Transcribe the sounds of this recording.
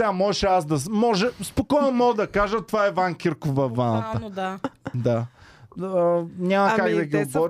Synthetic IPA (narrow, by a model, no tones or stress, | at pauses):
ɛamɔʒɛʃɛasd̪ɐsmɔʒɛspokɔjnomɔɡd̪ɐkaʒət̪ovaɛvaŋkʲiɾkʊvɐvanət̪ə | d̪a | ɲʲamɐkakd̪ɐɡʲiobɔɾ